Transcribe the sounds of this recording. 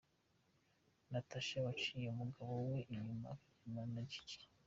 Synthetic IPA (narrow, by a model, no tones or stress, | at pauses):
nataʃeβat͡ʃiːjeumuɡaβoweʔiɲuma̰ | imanaɟi̥ci̥